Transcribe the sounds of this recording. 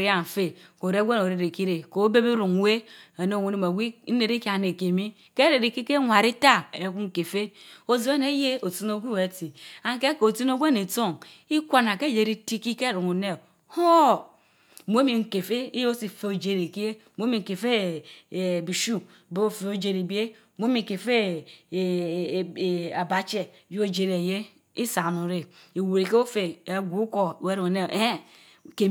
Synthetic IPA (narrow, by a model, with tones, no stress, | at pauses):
ɾi˦a˦m̩˨fe˦ko˨ɾe˦ɡʷe˦n˨o˨ɾe˨ɾe˨ki˦ɾe˨ko˨˦be˦bi˦ɾu˨ŋ˨we˦a˨no˦˨ŋʷu˦ne˨ma˨ɡi˦e˨ɾi˦ka˨ne˨ke˨mi˦ | ke˦ɾe˨ɾe˨ki˦ke˦ŋʷa˨ɾi˦ta˦˨e˨ku˦ŋ̩˦˨ke˨fe˦o˨zi˦e˦ne˦je˦o˨ti˦no˦ɡʷi˦we˨˦ti˨a˨ŋ˦ke˦ko˨ti˦n˦o˦ɡʷe˦ne˨to˦˨ŋ | i˦kʷa˨na˨ke˦˨d͡ʒe˨ɾi˦ti˦ki˦ke˦ɾu˨ŋu˨ne˦˨ | ho˦˨ | mo˦mi˨ŋ̩˨ke˨fe˦i˦jo˦si˨fe˦o˨d͡ʒe˦ɾe˨ki˦e˦˨mo˦mi˨ŋ̩˨ke˨fe˦˨ | bi˨ʃu˦˨ | be˦o˦fe˨˦o˨d͡ʒe˨ɾe˨bi˦e˦˨ | mo˦mi˨ke˨fe˦˨ | a˨ba˨t͡ʃe˨ju˦o˦˨d͡ʒe˨ɾe˨je˦ | i˦sa˨nu˨ɾe˨i˨wu˨ɾe˨ke˦o˦fe˨e˨ɡʷu˨˦ko˨we˦ɾu˨o˨ne˦˨ʔe˦ | ke˨